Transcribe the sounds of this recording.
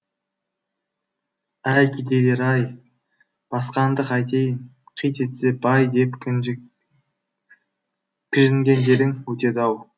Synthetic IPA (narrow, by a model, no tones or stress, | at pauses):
æjkʰʲid̪ed̪eɾɑj | b̥ɑsqɑnd̪əqɑjt̪ej | qʰijt̪et̪sebɑjd̪e̞pk | kʲʰɪʒɪŋɡʲe̞nd̪e̞ɾɪŋwɵt̪e̞d̪ɑw